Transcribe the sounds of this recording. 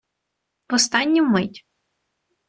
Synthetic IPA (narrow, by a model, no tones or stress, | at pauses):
pɔst̪ɑnʲːumɪtʲ